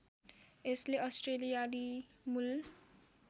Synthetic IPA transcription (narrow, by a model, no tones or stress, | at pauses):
esleʔʌsʈrelijali | mul